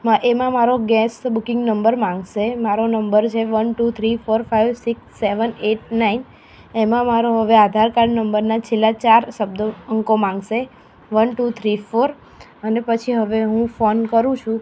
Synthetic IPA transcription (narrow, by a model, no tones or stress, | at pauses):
maʔemãmaɾoɡɛsbukɪ̃ŋɡnəmbəɾmãŋɡʃemaɾonəmbəɾt͡ʃʰeʋənʈut̪ʰɾifoɾfajʋsiksːeʋəneʈ̚nain | emãmaɾoɦəʋead̪ʱaɾkaɾnəmbəɾnat͡ʃʰelːat͡ʃaɾsəb̚d̪oəŋkomãŋɡʃe | ʋənʈut̪ʰɾifoɾ | ənepət͡ʃʰiɦəʋeɦũfonkəɾũt͡ʃʰũ